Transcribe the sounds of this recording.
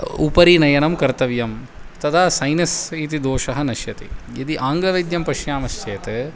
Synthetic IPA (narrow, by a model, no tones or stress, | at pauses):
upɐɾinɐjɐnɐmkɐɾt̪ɐʋjɐm | t̪ɐd̪ʰʱaːsɐjnɐsit̪̬id̪oːʃɐɦɐnɐʃjɐt̪ḭid̪iʔaːŋɡlɐʋɐjd̪jɐmpɐʃjaːmɐst͡ʃeːt̪e